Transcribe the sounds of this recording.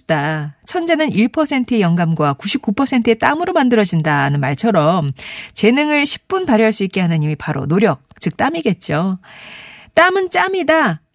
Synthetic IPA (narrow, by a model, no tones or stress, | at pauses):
d͈at͡ɕʰʌnd͡ʑenɯniɭpʰʌsʰe̞ntʰɯejʌŋɡamɡwakuɕʰip̚k͈upʰʌsʰe̞ntʰɯet͈amɯɾomandɯɾʌd͡ʑindanɯnmaɭt͡ɕʰʌɾʌmt͡ɕe̞nɯŋɯɭɕʰi̥p̚p͈unpaɾjɦaɭs͈uik͈̚e̞ɦanɯɲimipaɾo̰noɾjʌk̚t͡ɕɯk̚t͈amiɡe̞t̚t͡ɕ͈o | t͈amɯnt͡ɕ͈amida